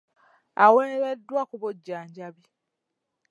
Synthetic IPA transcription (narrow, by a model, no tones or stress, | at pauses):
aweneɾedːwakuβoɟːaːɲɟaβi